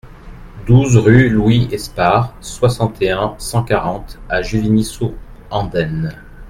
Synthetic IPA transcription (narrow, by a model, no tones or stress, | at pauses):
d̪uzʁylwiɛspaʁswasɑ̃t̪ʰeɛ̃sɑ̃kaʁɑ̃t̪aʒyvinisu | ɑ̃d̪ɛn